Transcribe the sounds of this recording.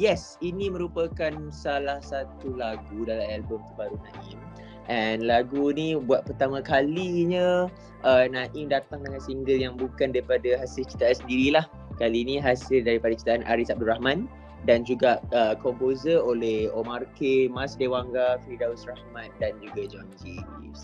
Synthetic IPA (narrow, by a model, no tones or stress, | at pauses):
jɛs | inĩmə̃ɾupəkansalahsat̪ulaɡudalamɛlbʊmt̪əbaɾunãʔim | ʔɛnlaɡunibuat̪̚pərt̪amãkaliɲã | ʔənãʔimdat̪aŋdəŋansiŋɡəljaŋbukandaɾipadaɦasɪlt͡ʃi̥t̪aʔansəndiɾilah | kalinĩɦasɪldaɾipadat͡ʃi̥t̪aanʔa̰ɾisab̚durahmãn | dand͡ʒuɡaʔəkɔmpozərolɛhomarkemasdewaŋɡafɾidausrahmãt̪̚dand͡ʒuɡad͡ʒand͡ʒis